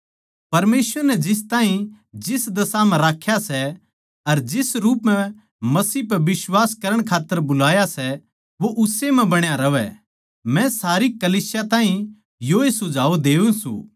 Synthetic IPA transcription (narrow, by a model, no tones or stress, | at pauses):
pɐɾmeːsʋəɾnɛd͡ʒɪs̬t̪ãːĩ | d͡ʒɪsd̪ɐsamɛ̃ɾaːkʰːjasɛ | ɐɾd͡ʒɪsɾuːpmɛ̃ | mɐsiːpɐʋɪswaːskɐɾəɽ̃kʰaːt̪ːəɾbʊlaːjasɛ | ʋoʔʊsemɛ̃bɐɽ̃jaɾɐʋɛ̰ | mɛ̃saːɾikɐliːsjat̪ãːɦĩ | joːesʊd͡ʒʱaːod̪eːũsṵ̃ː